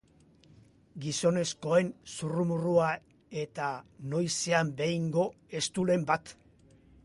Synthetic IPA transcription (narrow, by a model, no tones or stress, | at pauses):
ɡiso̞ne̞sko̞e̞nsurumurua | e̞t̪ano̞jse̞ambe̞iŋɡo̞ | e̞st̪ule̞mbat̪